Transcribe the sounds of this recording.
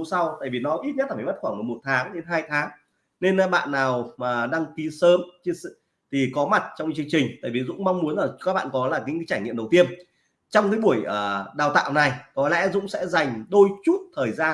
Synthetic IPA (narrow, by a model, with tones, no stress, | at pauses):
sa˧wt̪a̰ː˧˨jvi˨˩nɔ˨˦ʔi˦˥t̚ɲə˦˥t̚laː˨˩a˨˩m˦˥t̚xwaː˧˩ŋmo˨˩mo˨˩t̚t̪ʰaː˨˦ŋɗe˧nɦaː˧jt̪ʰaː˨˦ŋ | ne˧nː˦˧ɓa̰ː˧˨nːaː˨˩wmaː˨˩ɗa˧ŋk̪i˨˦səː˨˦mt͡ɕɨ˧əs | t̪ʰi˨˩kɔ˨˦ma˨˩t̚t͡ɕɔ˧wŋ͡mt͡ɕɨ˧əŋt͡ɕï˨˩ŋ̟t̪a̰ː˧˨vi˨˩zʊ̰˧˥ŋ͡mma˧wŋ͡mmu˨˦nlaː˨˩kaː˦˥k̚ɓa̰ː˧˨nkɔ˨˦laː˨˩ɲï˨˧˥kaː˨˦t͡ɕaː˧˩jŋḭ˧˨əmɗə˨˩wt̪i˧ən | t͡ɕɔ˧wŋ͡mkaː˨˦jɓu˧˩əjʔəː˨˩ɗaː˨˩wt̪a̰ː˧˨wna˨˩jkɔ˨˦lɛ̰˧˥zʊ̰˧˥ŋ͡msɛ̰˧˥za˨˩jŋ̟ɗo˧jt͡ɕu˦˥t̚t̪ʰəː˨˩jzaː˧